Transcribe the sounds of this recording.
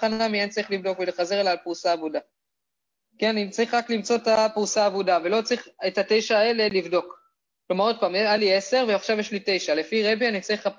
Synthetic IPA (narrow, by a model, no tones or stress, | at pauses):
χanamient͡saʁiχlivdo̞kveleχaze̞ʁelaːlpuɣusaːvuda | kianit͡saʁiχʁaklimt͡so̞et̪apuusaːvudavelo̞t͡saʁiχetate̞jʃaːele̞livdo̞k | klo̞maʁo̞d̪̚paːmealie̞se̞ʁveaχʃavjeʃlite̞jʃale̞fiʁebianit͡saʁiχap